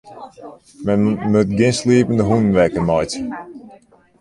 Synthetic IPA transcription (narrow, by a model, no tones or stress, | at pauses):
mɛnmøtɡɪnsliəpəndəɦunn̩ʋɛkənmɔjt